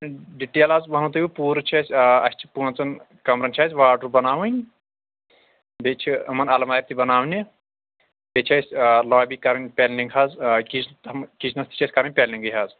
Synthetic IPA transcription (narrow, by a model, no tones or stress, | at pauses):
ɖiʈeːlaːzbɐnɐt̪̬ɐjʲipuːɾɨt͡ʃʰɐsʲɐ̰sʲt͡ʃʰi̥punt͡sɐn | kɐmɾɐnt͡ʃʰɐsʲʋaːʈɾbɐnaːwɐnʲ | bet͡ʃʰiɐmɐnɐlɐmaːjip̚t̪ibɐnaːwnʲi | bʲet͡ʃʰɐsʲloːbʲikɐɾɐnʲpʲelniŋɡɦazkit͡ʃʰt̪mkit͡ʃʰnɐst̪i̥t͡ʃʰɐsʲkɐɾɐnʲpʲelniŋɡɨjɦaːz